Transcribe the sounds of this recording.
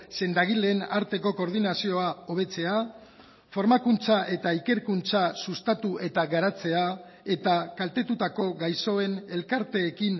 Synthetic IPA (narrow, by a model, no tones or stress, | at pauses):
se̞nd̪aɣile̞ːnaɾt̪e̞ko̞ko̞ɾð̞inasio̞ao̞β̞e̞t͡se̞a | fo̞ɾmakunt͡saʔe̞t̪aike̞ɾkunt͡sasust̪at̪uʔe̞t̪aɣaɾat͡se̞a | e̞t̪akalt̪e̞t̪ut̪ako̞ɣajso̞e̞ne̞lkaɾt̪e̞ːkin